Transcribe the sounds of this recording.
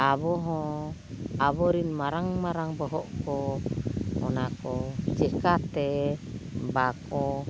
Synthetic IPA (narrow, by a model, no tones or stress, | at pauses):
aβɔɦɔ | aβɔɾinmaɾaŋmaɾaŋbɔɦɔʔkɔ | mɔnakɔd͡ʒɛkat̪ɛ | bakɔ